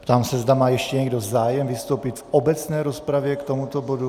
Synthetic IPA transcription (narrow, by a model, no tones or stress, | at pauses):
pt̪aːmsɛzd̪amaːjɛʃcɛɲɛɡdozaːjɛmvist̪owpit̪fʔobɛt͡snɛːɾospɾavjɛkt̪omut̪obodu